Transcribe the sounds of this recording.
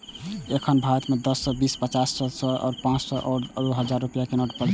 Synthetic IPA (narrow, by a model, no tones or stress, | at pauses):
ekʰənbʱaɾt̪med̪əsːəbispət͡ʃasːəsɔʔɔ̰ːɾpãt͡ʃsɔʔɔɾəɾuɦəd͡ʒaɾːupijakenoʈpəlt͡ʃ